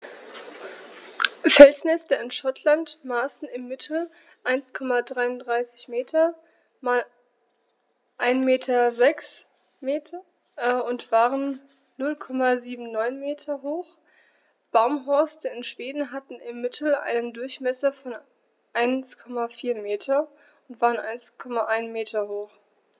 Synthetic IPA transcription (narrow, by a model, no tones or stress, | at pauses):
fɛlsnɛstəɪnʃɔtʰlantmaːsn̩ɪmːɪtʰl̩ | ʔaɪnskʰɔmadʁaɪʊndʁaɪsɪ̥çmeːtʰɐ | mal | ʔaɪnmeːtʰɐzɛks | meːtʰɐ | ʊntv̥aːʁənː | ʊlkʰɔmaziːbm̩nɔʏnmeːtʰɐɦoːχ | b̥aʊmɦɔɐstəɪnʃv̥eːdn̩ɦatn̩ɪmːɪtʰl̩ʔa̰ɪnəndʊɐçmɛsɐfɔn | ʔaɪnskʰɔmafiːɐmeːtʰɐ | ʊntv̥aːʁənʔa̰ɪnskʰɔmaʔaɪnmeːtʰɐhoːχ